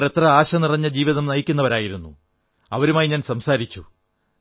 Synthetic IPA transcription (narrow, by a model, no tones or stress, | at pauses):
re̞t̪rɐaːɕɐnirɐɲːɐd͡ʑiːʋiðɐmnɐjikʲːunːɐʋɐɾaːjiɾunːṵ | ɐʋɐɾumaːjiɲaːnsɐmsaːɾit͡ɕːu